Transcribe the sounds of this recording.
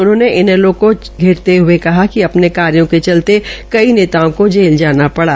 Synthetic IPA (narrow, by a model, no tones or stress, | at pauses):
ʊnɦõːneʔɪnɛlõko | ɡʱɪɾt̪eɦʊekɐɦakiɐpnekaːɾijõket͡ʃɐlt̪ekɐineːt̪aõkod͡ʒeːld͡ʒaːnapɐɽaː